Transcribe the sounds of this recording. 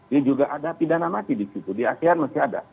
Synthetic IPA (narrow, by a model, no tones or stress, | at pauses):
diad͡ʒuɡaʔadapidanamat̪idisukurdiasɛanmastiada̰